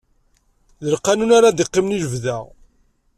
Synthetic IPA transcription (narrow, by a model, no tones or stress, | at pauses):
ðəlqːanunaɾad̪iqːimniləvðæ